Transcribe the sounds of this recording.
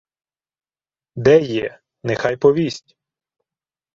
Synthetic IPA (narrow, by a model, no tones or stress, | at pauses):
d̪ɛjɛ | nɛxɑjpɔʋʲisʲtʲ